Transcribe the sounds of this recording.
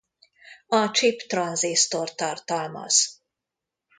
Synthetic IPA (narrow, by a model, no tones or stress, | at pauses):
ɒt͡ʃipt̪rɒnzist̪ort̪ɒrt̪ɒlmɒ̰z̥